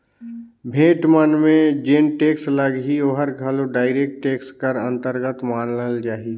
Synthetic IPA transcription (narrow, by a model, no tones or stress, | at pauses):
bʱẽːʈmənmẽd͡ʒenʈeːksləɡɦioːɦəɾɡʱəloɖaːɪɾeːk̚ʈːeːkskəɾə̃nt̪əɾɡət̪maːnəld͡ʒaːɦi